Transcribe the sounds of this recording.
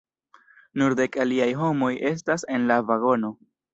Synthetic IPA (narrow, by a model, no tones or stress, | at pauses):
nuɾd̪e̞kaliajɦo̞mo̞jʔe̞s̬tase̞nlavaɡo̞no̞